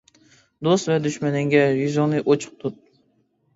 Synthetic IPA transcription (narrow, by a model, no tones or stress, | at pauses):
d̪ost̪vɛd̪yʃmɛnɪŋɡʲɛvizonɨʔot͡ʃʰʊ̥q̚t̪ʰʊt̪̚